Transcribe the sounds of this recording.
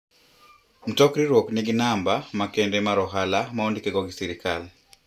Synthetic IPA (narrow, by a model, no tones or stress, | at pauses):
m̩tɔkɾiɾɔkniɡinambamakɛndɛmaɾɔɦalamaondikɛɡɔɡisiɾikal